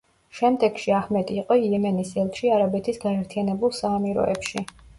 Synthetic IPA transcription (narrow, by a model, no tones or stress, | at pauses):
ʃɛmd̪ɛɡ̥ʃiahmɛd̪iːqʼɔilɛmɛnisɛlˠt̪ʃiaɾabɛt̪ʰisɡaɛɾt̪ʰijanɛbulˠsaːmiɾɔ̰ɛ̰pʃi